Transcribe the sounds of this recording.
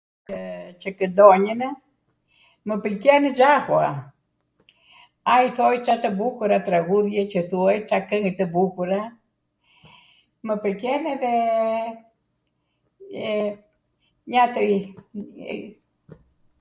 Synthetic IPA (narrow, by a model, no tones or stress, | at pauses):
ət͡ʃəkəd̪ɔɲən | məpəlkɛnəd͡ʒahwa | ajθɔjt͡ʃat̪əbukuɾat̪ɾaɣuðjɛt͡ʃəθuajt͡ʃakəŋit̪əbukuɾa | məpəlkɛnɛðɛ | ɲat̪əj